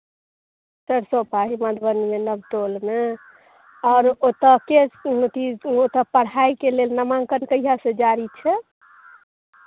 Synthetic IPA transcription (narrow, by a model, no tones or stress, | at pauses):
t̪əɾsopaɦiməd̪ʱbənmenəbʈolme | ɔːɾot̪əkestiot̪əpəɽ̤aikelelnəmãŋkənkəijɦasẽd͡ʒaɾit͡ʃʰɛ